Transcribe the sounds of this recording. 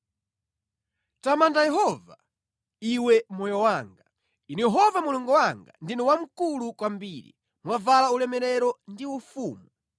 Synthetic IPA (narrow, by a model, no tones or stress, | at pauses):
tamandajɛɦɔva̰ | iwɛmɔjɔwaːŋɡa | inɛjɛɦɔvamuluŋɡɔwaŋɡa̰ndinɔwam̩kulukwambiːɾḭ | mwavalaulɛmɛɾɛɾɔndiufuːmu